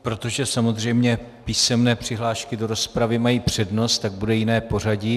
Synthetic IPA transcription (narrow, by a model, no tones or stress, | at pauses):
pɾo̞t̪o̞ʒɛsamo̞zr̝ɛjmɲɛpiːsɛmnɛːpr̝̥ɪɦlaːʃkɪdo̞ɾo̞spɾavɪmajiːpr̝̥ɛdno̞st̪t̪aɡ̚budɛjɪnɛːpo̞r̝aɟi